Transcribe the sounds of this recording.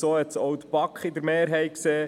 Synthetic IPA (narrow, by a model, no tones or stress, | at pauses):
soːhɛt̪sɔwt̪əpɑkχid̪əɾmeːɾɦɛjkseː